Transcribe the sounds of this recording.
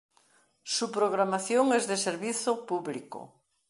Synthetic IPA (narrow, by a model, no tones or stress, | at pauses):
supɾoɣ̞ɾamaθjoŋɛzðeseɾβiθopuβliko̰